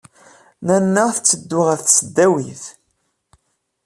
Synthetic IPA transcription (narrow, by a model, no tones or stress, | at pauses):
nænːəθət͡sːəd̪ːʊʁæθθsəd̪ːæwiθ